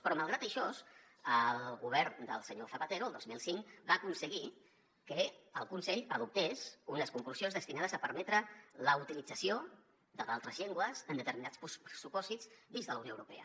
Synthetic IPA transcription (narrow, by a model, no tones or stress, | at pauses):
pɾɔmalˠɣɾat̪əʃɔs | əlˠɣuβ̞ɛɾnd̪ə̰lˠsəɲoθəpət̪eɾuəlˠd̪ozmilˠsiŋkbaːkunsəɣi | kəəlˠkunsɛʎaðup̚t̪ezunəskuŋkluz̥ionzðəst̪inað̞əzəpəɾmɛt̪ɾələut̪ilid͡zəsio | d̪əðalˠt̪ɾəzʎeŋɡwəzənd̪ət̪əɾminat͡sppɾəsupɔzizd̪inzðələwnioəwɾupḛə